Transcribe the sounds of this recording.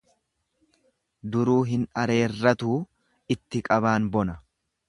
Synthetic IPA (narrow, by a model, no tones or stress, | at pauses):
d̪ʊɾuːɦɪnɐɾe̞ːrːɐt̪uː | ɪt̪ːɪkʼɐβaːnbɔnɐ